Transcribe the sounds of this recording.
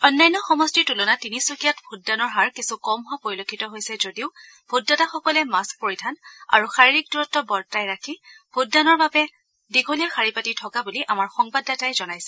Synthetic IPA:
ɔnːajnːɔxɔmɔstitulɔnatinisukijatbʱudːanɔɹɦaɹkisukɔmɦɔpoɹilokʰːitɔɦojsɛzodiʊ | b̥ʱudːataxɔkɔlɛmask̚poɹidʱana̰ɹuxaɹiɹik̚duɹɔtːɔbɔɹtajɹakʰib̥ʱudːanɔɹbabɛ | diɡʱolijaxaɹipatitʰɔkabuliʔamaɹxɔŋbadːatajzɔnajsɛ

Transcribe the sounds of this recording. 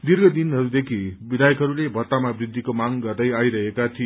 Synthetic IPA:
d̪irɡʌd̪inɦʌɾud̪ekʰibid̪ʱajʌkɦʌɾulebʱʌt̪ːamabrid̪ʱːikomaŋɡʌrd̪ʌjajɾʌɦekat̪ʰi

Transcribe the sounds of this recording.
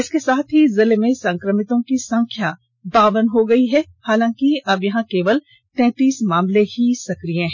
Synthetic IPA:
ɪskesaːt̪ʰɦizɪlemẽsɐ̃ŋkɾəmɪt̪õkisɐ̃ŋkʰja | baːʋənɦoɡɐiɦɛhaːlãːkiɐbjɐɦãkeːʋəl | t̪ɛ̃ːt̪iːsmaːmlehisɐkɾijãɦɛ̃ː

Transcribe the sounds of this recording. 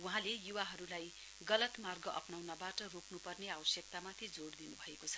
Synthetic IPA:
uɦãlejuwaɦʌɾulaj | ɡʌlʌt̪marɡʌʔʌ̰pnawnʌbaʈʌroknupʌrneawʌsjʌk̚t̪amat̪ʰid͡zoɽd̪inubʱʌekot͡sʰʌ̥

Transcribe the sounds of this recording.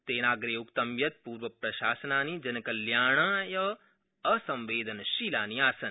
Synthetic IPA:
t̪eːnaːɡɾeːukt̪ɐmjɐt̪̚puːɾʋɐpɾɐʃaːsənaːnid͡ʒɐnkɐljaːɳ̃ajɐ | əsɐ̃mʋeːd̪ʱənʃiːlaːniaːsɐn

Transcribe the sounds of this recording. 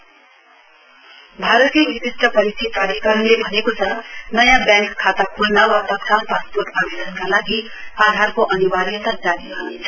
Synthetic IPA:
bʱaɾət̪kebisisʈʰʌpʌɾist̪ʰip̪aɾikəɾnlebʱʌnekot͡sʰʌnʌjãbjãŋkʰːat̪akʰulnawat̪ʌt̪kalpasput̪abedʌnkalaɡi | ad̪ʱaɾkoʔʌniwaɾit̪ad͡zaɾiɦanet͡sʰʌ

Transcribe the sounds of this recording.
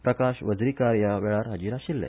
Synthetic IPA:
pɾəkaɕʋəd͡zɾikaɾjaʋɛɭaɾɦad͡ʑiːɾaɕilːɛ̰

